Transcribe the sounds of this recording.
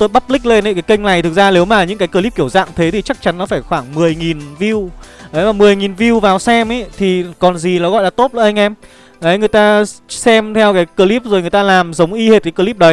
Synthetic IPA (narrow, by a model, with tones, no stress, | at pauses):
t̪o˧jɓa˦˥p̚lï˦˥k̟̚le˧nə˧˨˦kaː˨˦jkə˧jŋ̟na˨˩jt̪ʰɨ˨˩k̚zaː˧ne˨˦wmaː˨˩ɲɨ̰˧˥kaː˨˦jkəː˧li˦˥p̚ki˧˩əwza̰ː˧˨ŋt̪ʰe˨˦i˨˩t͡ɕa˦˥k̚t͡ɕa˨˦nːɔ˨˦faː˧˩jxwaː˧˩ŋmɨ˨˩əjŋi˨˩nvi˧wʔə˨˦jmaː˨˩mɨ˨˩əjŋi˨˩nvi˧wvaː˨˩wsɛ˧mʔə˨˦t̪ʰi˨˩kɔ˨˩nzi˨˩lɔː˨˦ɣɔ̰˧˨jlaː˧˩t̪o˦˥t̚lə̰˧˩ʔjŋ̟ʔɛ˧m | ʔə˨˦jŋɨ˨˩əjt̪aː˧sɛ˧mt̪ʰɛ˧wkaː˨˦jkəː˧li˦˥p̚zo˨˩jŋɨ˨˩jt̪aː˧laː˨˩mzə˨˦wŋ͡mʔi˧he˨˩t̚kaː˨˦jkəː˧li˦˥p̚ɗə˨˦